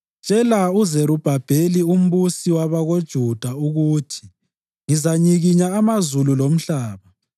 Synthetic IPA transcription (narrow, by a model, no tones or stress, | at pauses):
t͡ʃʼɛlauzeɾub̥ʱab̥ʱelium̩βusiwaβaɣod̥ʒ̥ʱud̥ʱauɣuːtʰi̥ | ŋizaɲiɣiɲaːmazululom̩ɬaːβa